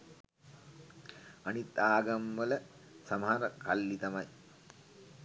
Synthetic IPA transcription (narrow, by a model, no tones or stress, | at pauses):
ɐnit̪aːɡɐmʋələ | sɐmɦaɾɐkɐlːit̪ɐmɐj